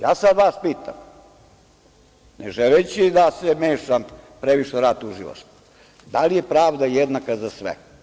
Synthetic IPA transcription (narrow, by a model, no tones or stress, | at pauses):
jaːsad̪ʋaspiːt̪a̰m | nḛʒelet͡ɕed̪asemeːʃampɾeʋiʃeɾat̪uʒila̰ʃt̪o̥ | d̪alijepɾaːʋd̪ajed̪nakazasʋḛ